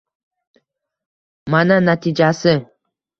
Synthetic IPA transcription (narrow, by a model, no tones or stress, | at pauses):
mananat̪id͡ʒasɨ